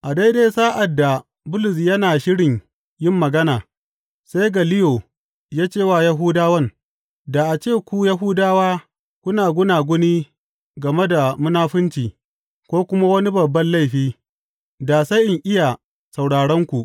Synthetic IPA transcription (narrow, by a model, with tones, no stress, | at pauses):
ʔa˨da˦jde˦saː˦ʔa˨dːa˨ | bʊ˦lʊ˨s̬jɐ˦naː˨ʃɪ˦ɽɪ˨ɲ | jɪ˦˨mːɐ˨ɡɐ˦naː˨ | sa˦jɡa˨lɪ˦joː˨ | jaː˦t͡ʃeː˦˨waː˦˨ja˦ɦʊ˦daː˦wɐ˦n | da˨ʔa˨t͡ʃeː˦˨kʷu˦ja˦ɦu˦daː˦waː˦ | kʷʊ˦naː˨ɡʷʊ˦naː˨ɡʷʊ˦niː˦ | ɡɐ˨me˦da˨mʊ˦naː˦ɸʊ˦nt͡ʃiː˨ | kʷoː˦kʷʊ˦ma˦wɐ˦ni˦bɐ˨bːɐ˦nla˦jɸiː˦ | da˨sa˦jʔɪ˨ŋʔɪ˦ja˨ | sa˨wɽaː˨ɽɐ˦ŋkʷu˨ʔ